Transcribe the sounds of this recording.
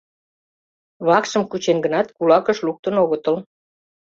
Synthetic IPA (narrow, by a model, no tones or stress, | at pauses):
βɑkʃəmkut͡ɕenɡənɑt̪kulɑkəʃluk̚t̪ənoɣət̪ə̆l